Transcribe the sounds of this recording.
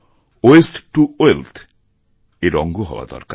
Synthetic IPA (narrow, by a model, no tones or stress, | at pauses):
oesʈʈuoelt̪ʰ | eɾɔ̰ŋɡoɦɔ̰oa̰d̪ɔ̰ɾka